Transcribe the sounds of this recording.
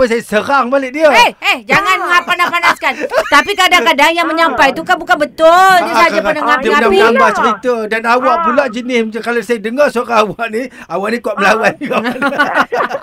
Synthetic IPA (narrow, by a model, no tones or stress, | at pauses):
pəjsajəsəɾaŋbalɪʔ̚diəehehd͡ʒaŋanmŋapanapanaskant̪apikadaŋkadaŋjaŋməɲampajt̪ukabukanbət̪ʊld͡ʒəaaaənəŋapanaəlambaht͡ʃəɾit̪ədanawaʔpulaʔd͡ʒənɪskalasajədəŋərsoraawaʔni | awaʔnikuaʔməlawanɡɔ